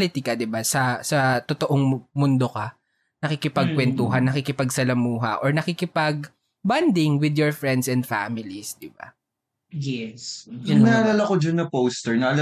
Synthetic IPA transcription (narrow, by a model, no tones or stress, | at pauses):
lɪt̪ɪkɐd̪ɪbasɐsɐt̪ot̪oʔoŋmʊnd̪o̞kɐ | nɐkɪkɪpɐɡ̚kwɛnt̪uɦɐnːɐkɪkɪpɐɡ̚sɐlɐmuːɦɐ̰ʔoɹnɐkikɪpɐɡ̚ | band̪ɪŋwɪd̪jɔɹfɹɛnd̪sɛnd̪fa̰mɪlisd̪ɪba̰ | jɛsjʊɐɐlɐlɐkod͡ʒɐnːɐpowst̪ɛɹnɐɐl